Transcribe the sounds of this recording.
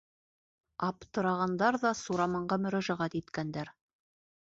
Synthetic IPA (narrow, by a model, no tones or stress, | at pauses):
ɑpt̪ɤ̆ɾɑʁɑnd̪ɑɾðɑsuɾɑmɑɴɢɑmɵ̆ɾæʒæʁæt̪it̪kænd̪æɾ